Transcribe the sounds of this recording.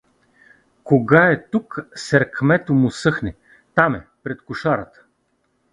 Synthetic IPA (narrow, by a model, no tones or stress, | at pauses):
koɡaɛt̪uksɛɾkmɛt̪omʊsɤxnɛ | t̪amɛpɾɛt̪kʊʃaɾət̪ə̥